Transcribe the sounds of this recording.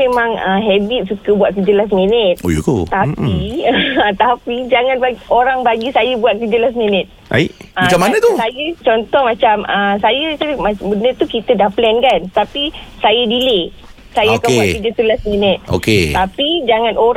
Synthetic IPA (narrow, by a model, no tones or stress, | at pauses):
emãŋəɦɛbit̪̚sukəbuaʔ̪̚k̬əd͡ʒəlasminət̪̚ojok̪ot̪api | t̪apid͡ʒaŋanbaoɾaŋbaɡisajəbuat̪̚kəd͡ʒəlas̬minət̪̚a̰iʔəmat͡ʃamanət̪usajət͡ʃɔnt̪ɔhmat͡ʃaməsajəsamabənət̪ukit̪ədahplɛnkant̪apisajədile | sajaakabuatkkəd͡ʒəsəlasminət̪̚o̰ket̪apid͡ʒaŋanoɾ